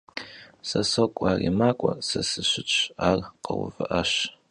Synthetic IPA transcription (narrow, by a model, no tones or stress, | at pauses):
sɐsokʷʼaːrimaːkʷʼɔsɐsɨɕʷɪt͡ʃʷʼʰaːrqɐwvɨʔɐɕ